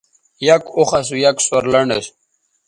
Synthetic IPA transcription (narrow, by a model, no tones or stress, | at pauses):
jakoχasujakswɐɾlɐɳɖə̰ɕ